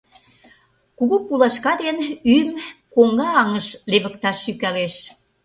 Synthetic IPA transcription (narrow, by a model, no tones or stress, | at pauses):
kuɣupulɑʃkɑd̪enymkoŋɑːŋəʃleβə̆kt̪ɑʃːykæleʃ